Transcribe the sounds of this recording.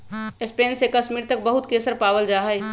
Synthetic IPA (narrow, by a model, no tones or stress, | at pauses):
ɪspeːnsekəʃmiːɾt̪ək̚bəɦʊt̪kesəɾpaːwəld͡ʒaːɦəj